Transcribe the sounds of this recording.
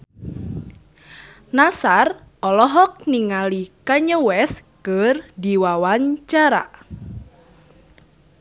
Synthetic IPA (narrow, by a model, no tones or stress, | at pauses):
nasar | ɔlɔɦɔk̚niŋalikaɲəwɛskərdiwawaɲt͡ʃaɾa̰